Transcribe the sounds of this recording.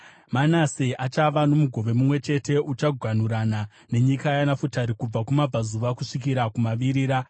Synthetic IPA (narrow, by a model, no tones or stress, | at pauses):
manaseʔat͡ʃaʋano̞muɡʱo̞ʋe̞mumwe̞t͡ʃe̞te̞ʔut͡ʃaɡʱwan̤uɾana | ne̞ɲikajanafutaɾikub͡vakumab͡vʱazuʋakuʂik̬iɾakumaʋiɾiːɾa